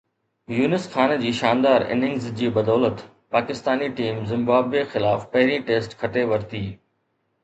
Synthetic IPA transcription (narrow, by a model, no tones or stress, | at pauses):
juːnɪsxaːnd͡ʑiːʃaːnd̪aːɾɪ̰nɪ̃ŋɡzd͡ʑiːbɐd̪ɔːlət̪ | paːkɪst̪aːniʈiːmzɪ̃mbaːbexɪlaːfpɐɦɪɾĩʈeːsʈkʰɐʈeʋɐɾt̪iː